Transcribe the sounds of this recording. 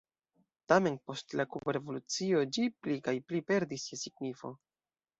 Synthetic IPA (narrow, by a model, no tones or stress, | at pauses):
tame̞npo̞stlakubɾe̞volut͡sio̞d͡ʒiplikajplipe̞ɾdisjesiɡnifo̞̰